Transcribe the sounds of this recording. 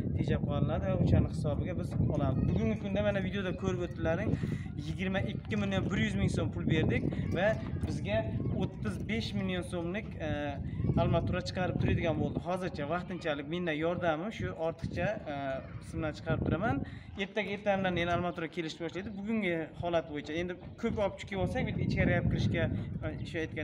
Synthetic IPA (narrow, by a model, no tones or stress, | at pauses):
t̪ʰed͡ʒap̚qʰɒlˠɪnad̪ɪvaʊʃanɪhɪ̥sɒbɪɡʲabɪzɒlˠad̪ɪbʊɡʲʊŋɡʲɪkʰʊnd̪amanavid̪eod̪akʰɵɾɪpot̪ːɪlaɾɪŋ | jɪɡʲɪɾmaʔɪkʲʰːɪmɪljo̞nbɪɾjʏzmɪŋsompʰʊlˠbe̞ɾd̪ɪkʲvabɪzɡʲaot̪ːɪzbe̞ʃmɪljonsomlɪkʲ | alˠmat̪ʰʊɾat͡ʃʰɨ̥qʰɑɾɪp̚t̪ʰʊɾad̪ɪɡʲanbolˠd̪ɪɦɒzɪɾt͡ʃʰavɑqt̪ɪnt͡ʃʰalɪk̚ʲme̞nd̪anjɒɾd̪amɪʃʊʔɒɾt̪ʰɨ̥qt͡ʃʰa | sɪmlant͡ʃʰɨ̥qʰɑɾɪp̚t̪ʰʊɾaman | e̞ɾt̪ʰaɡʲɪe̞ɾt̪ʰanɪlaɾnenalˠmat̪ʊɾakʲʰe̞lɪʃɪ̥t̪bɒʃlajd̪ɪbʊɡʲʊŋɡʲɪhɒlat̪̚bojɪt͡ʃʰae̞nd̪ɪ | kʰɵpɒp̚t͡ʃʰʊ̥kʲʰɪjbɒlˠsakʲbɪt̪̚ɡʲɪt͡ʃʲaɾajap̚kʲɪɾɪʃkʲaɪʃajt̪̚kʲa